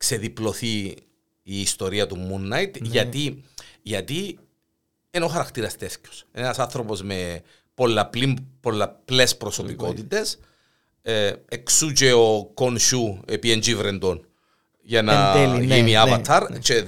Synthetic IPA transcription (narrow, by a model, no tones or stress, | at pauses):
kse̞ðiplo̞θiː | st̪o̞ɾiɐt̪umunːɐjt̪ʝɐt̪iʝɐt̪i | enoxɐɾɐkt̪iɾɐst̪e̞sco̥senɐsɐnθɾopo̞zme̞ | polːɐplimpo̞lːɐple̞spɾoso̞piko̞t̪it̪e̞s | eksut͡ʃe̞okonʃuepiend͡ʒivɾend̪on | ʝɐnɐlʝiniɐvɐt̪ʰɐɾt͡ʃe